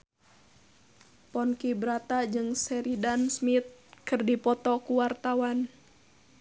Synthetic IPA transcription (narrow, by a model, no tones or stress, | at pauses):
pɔnkibɾat̪ad͡ʒɨŋsɛɾidansmit̪̚kɨrdipɔt̪ɔkuwart̪awan